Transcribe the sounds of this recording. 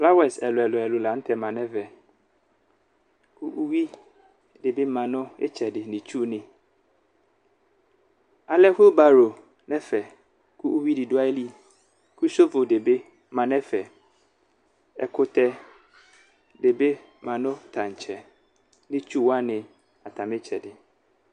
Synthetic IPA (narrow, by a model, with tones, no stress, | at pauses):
fla˦wɛ˨sɛ˨lʊ˨ɛ˨lʊ˨ɛ˨lʊ˨la˨n̩˦tʰɛ˨mã˨nɛ̃˦vɛ˨ | kʰu˦ʔu˦wi˦ | de˨be˦mã˨nʊ̃˦ɪ̰˦t͡ɕʰɛ˨dɪ˨nɪ̃˨t͡ɕʰu˦nɪ̃˨ | a˨lɛ˦ho˦ba˨ɾo˨ | nɛ̃˦fɛ˨ | kʰu˦u˦wi˦dɪ˨dʊ˦a˦li˦ | kʰu˦so˦fʊ˨de˨be˦ | mã˨nɛ̃˦fɛ˨ | ɛ̰˨kʰʊ˦tʰɛ˦ | de˨be˦ | mã˨nʊ̃˦tʰã˨ɲ˨t͡ɕʰɛ˨ | nɪ̃˦t͡ɕʰu˦wa˦nɪ̃˨ | a˨tʰã˨mɪ̃˦t͡ɕʰɛ˨dɪ˨